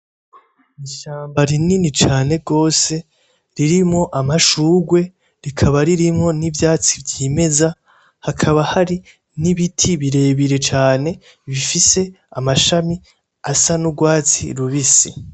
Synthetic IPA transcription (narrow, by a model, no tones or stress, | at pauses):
iʃaːmbaɾininit͡ʃaːne̞ɡo̞ːse̞ | ɾiɾimŋo̞ʔamaʃuːɡwe̞ | ɾikʰaβaɾiɾimŋo̞nivjaːt͡sibjiːme̞za | hakʰaβahaɾi | niβitʰiβiɾe̞ːβiɾe̞t͡ʃaːne̞ | βifise̞ | amaʃami | asanuɡwaːt͡sḭɾuβisi